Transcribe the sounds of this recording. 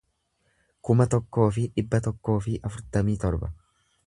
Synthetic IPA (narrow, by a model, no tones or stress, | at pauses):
kʊmɐt̪ɔkːo̞ːfɪᶑɪbːɐt̪ɔkːo̞ːfɪʔɐfʊɾt̪ɐmiːt̪ɔɾbɐ̰